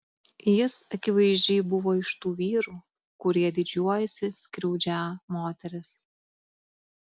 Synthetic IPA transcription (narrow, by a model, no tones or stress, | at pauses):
jɪsɐkʲɪʋɐɪzʲd͡ʒʲɛɪbʊʋoːɪʃt̪uːʋʲiːɾuː | kʊɾʲiɛd̪ʲɪd͡ʒʲuɔjɛsʲɪsʲkɾʲɛʊd͡ʒʲæmoːt̪ʲɛɾʲɪs